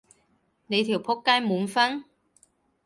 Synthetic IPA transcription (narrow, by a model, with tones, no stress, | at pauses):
ne˨˧jt̪ʰiː˨˩wpʰʊ˥kːaː˥jmuː˨˧nfɐ˥n